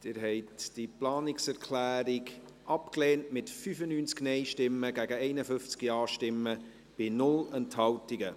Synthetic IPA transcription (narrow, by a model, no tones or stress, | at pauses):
d̥ɪɾɦɛɪtd̥iplɑːnɪksɛɾkʰlæːɾɪɡ | ʔɑpkleːntmɪtfyːfənyːnt͡sknɛɪʃtɪmːəɡæɡəɛɪnəfʏft͡skiɑːʃtɪmːə | b̥ɪnʊlənthɑwtɪɡə